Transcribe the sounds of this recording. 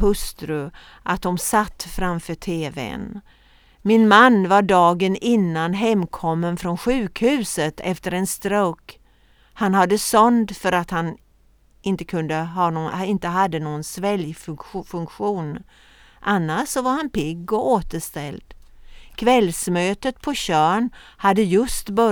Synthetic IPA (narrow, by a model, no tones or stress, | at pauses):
hɵst̪ɾɵ | ʔat̪̚dɔmsat̪ːfɾamfœːʈʰeːvɛ̰n | mɪnmanːvaɖɑːɡənɪnːanɦɛmːkʰɔmːənfɾɔnɧʉ̟ːkhʉ̟ːsət̪ʰɛft̪əɾɛnst̪ɾoːk | hanhad̪ːəsœnd̪fœɾat̪han | ʔɪnt̪əkʰɵnd̪əɦɑːɪnt̪əɦad̪ːənoːɡənsvɛljffɵŋkɧuːn | ʔanːaʂːɔvaɾhanpɪɡːɔoːt̪əʂt̪ɛld̪̥kʰvɛlsmøːt̪ət̪̚pʰɔɕœːɳhad̪ːəjɵst̪bœ